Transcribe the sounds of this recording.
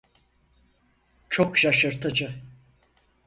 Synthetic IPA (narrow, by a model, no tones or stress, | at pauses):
t͡ʃʰo̞kʃaʃɯɾt̪ʰɯd͡ʒɯ